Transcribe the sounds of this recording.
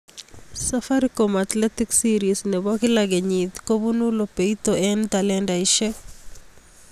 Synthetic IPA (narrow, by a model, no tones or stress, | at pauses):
safaɾikomat̪lɛt̪iksiɾisnɛbɔkɪlaɡeɲid̪kobunulopeit̪oɛnt̪alɛndaɪʃɛ